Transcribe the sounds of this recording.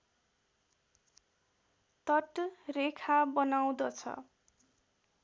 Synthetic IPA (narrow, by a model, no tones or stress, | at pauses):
t̪ʌʈrekʰabʌnaw̃d̪ʌt͡sʰʌ̰